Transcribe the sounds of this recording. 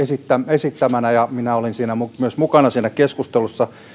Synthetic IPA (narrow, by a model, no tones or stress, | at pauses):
esit̪ːæmesit̪ːæmænæjɑminæolinsiːnæmumyøsmukɑnɑsiːnækeskust̪elusːɑ